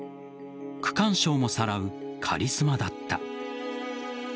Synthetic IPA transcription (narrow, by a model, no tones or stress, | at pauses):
kɯ̟̥kãɰ̃ɕo̞ːmo̞saɾaɯ̟kʰa̰ɾʲisɨmad̪at̪ːa̰